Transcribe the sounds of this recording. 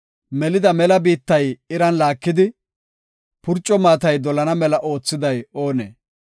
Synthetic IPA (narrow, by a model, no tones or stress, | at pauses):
mɛlɪd̪ɐmɛlɐbiːt̪ːɐjɪɾɐnlaːkːɪd̪ɪ | pʊɾt͡ʃʼːɔmaːt̪ɐjd̪ɔlɐnɐmɛlɐʔo̞ːt͡sːɪd̪ɐjo̞ːnḛː